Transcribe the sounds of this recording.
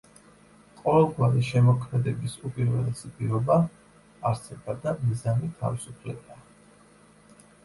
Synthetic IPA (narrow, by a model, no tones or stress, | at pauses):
qʼɔvɛlˠɡwaɾiʃɛmɔkʰmɛd̪ɛbisupʼiɾvɛlˠɛsipʼiɾɔbaː | ɾsɛbad̪amizanit̪ʰa̰visupʰlɛbaː